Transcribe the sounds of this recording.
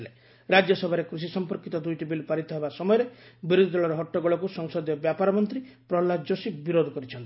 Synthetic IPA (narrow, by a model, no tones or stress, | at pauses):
le | ɾad͡ʒjɔsɔbʱaɾekɾus̬isɔmpɔɾkit̪ɔd̪ujʈibilpaɾit̪ɔɦebasɔmɔjɔɾebiɾud̪ʱid̪ɔɭɔɾɔɦɔʈːɔɡɔɭɔkusɔŋsɔd̪jɔbjapaɾɔmɔnt̪ɾi | pɾɔlad͡ʒosibiɾod̪ʱɔkɔɾit͡ʃʰɔnt̪i̥